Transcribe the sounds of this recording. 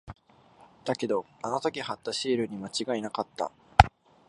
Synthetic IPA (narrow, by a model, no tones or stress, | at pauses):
d̪̥ake̞d̪o̞ano̞t̪o̞kʲihat̪ːaɕiːɾɯ̟ɲ̟imat͡ɕiɡainakat̪ːa̰